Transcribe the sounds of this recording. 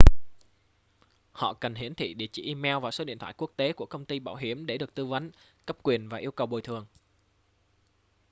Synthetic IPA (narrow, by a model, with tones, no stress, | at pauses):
hɔ̰˧˨kə˨˩nɦi˧˩ənt̪ʰḭ˧˨ɗḭ˧˨ət͡ɕḭ˧˩ʔi˧mɛ˧wvaː˨˩so˨˦ɗḭ˧˨nt̪ʰwaː˧˨ku˦˥ək̚t̪e˨˦ku˧˩əkə˧wŋ͡mt̪i˧ɓaː˧˩wɦi˧˩əmɗe˧˩ɗɨ˨˩ək̚t̪ɨ˧və˨˦n | kə˦˥p̚kwi˨˩ənvaː˨˩ʔi˧əwkə˨˩wɓo˨˩jt̪ʰɨ˨˩əŋ